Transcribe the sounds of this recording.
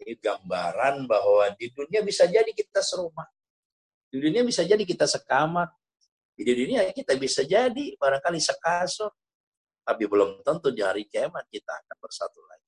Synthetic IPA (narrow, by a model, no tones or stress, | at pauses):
ɡambaɾanbahwadiduniabisad͡ʒadikit̪asəɾomah | diduniabisad͡ʒadik̬it̪asəkamat̪̚ | ididuniakit̪abisad͡ʒadibaɾaŋkalisəkasɔn | t̪apibəlumt̪ɔnt̪ʊndiɦaɾikeman̚kit̪a̰ːkanbərsat̪ula̰i